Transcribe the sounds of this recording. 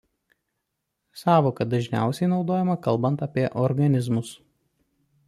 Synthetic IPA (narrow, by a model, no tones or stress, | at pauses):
sɑːʋoːkɐd̪ɐʒʲnʲæ̰ˑʊsʲɛɪnɒʊd̪oːjɛmɐkɐlˠbɐnt̪ɐpʲiɛʔɔɾɡɐnʲɪzmʊs